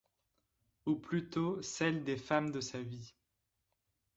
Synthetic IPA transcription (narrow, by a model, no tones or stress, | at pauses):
uplyt̪osɛld̪efamd̪əsavi